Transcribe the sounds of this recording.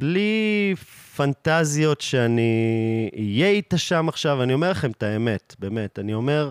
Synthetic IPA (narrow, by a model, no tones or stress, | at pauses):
b̥li | fantazijo̞tʃeani | ijeitaʃamaχʃavanio̞me̞ʁlaχe̞mtae̞me̞tbeːme̞tanio̞me̞ʁ